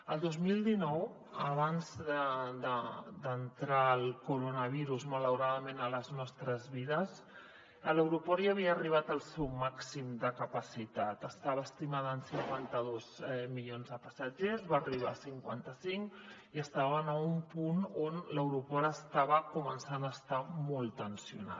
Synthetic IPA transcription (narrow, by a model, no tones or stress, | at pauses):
əlˠd̪ozmilˠd̪inɔw | əβanzd̪əd̪əd̪ənt̪ɾaəlˠkuɾonəβ̞iɾuzmələwɾaðəmenələznɔst̪ɾəzβiðəz | ələwɾupɔɾiaβ̞iəːriβ̞at̪əlˠsɛwmaksimd̪əkəpəsit̪at̪əst̪aβəːst̪imaðːnsiŋkwant̪əðozmiʎonzðəpəsəd͡ʒezβariβ̞a̰siŋkwa̰nt̪əsiŋk | iəst̪aβənəumpunonləwɾupɔɾəst̪aβəkumənsanəːst̪amɔlˠt̪ənsiṵna̰t̪